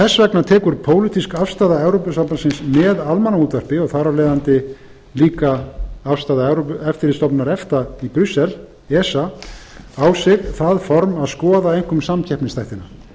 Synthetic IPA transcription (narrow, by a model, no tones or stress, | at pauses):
θɛsvɛknat̪ʰɛːkʏɾ̥pʰoːwlit̪iskafst̪aːðaɛwɾowpʏsamp̪asɪnsmɛðalmanauːt̪ar̥pɪɔɣθaɾavleːjðant̪ɪ | liːkaafst̪aːðaɛwɾoɛft̪ɪɾɪst̪ɔpnaɾɛft̪aipɾʏsːɛl | ɛːsa | awsɛɣθaðfɔɾmaðskɔːðaejŋ̥kʏmsamcʰɛhpnɪnst̪ʰajht̪ɪna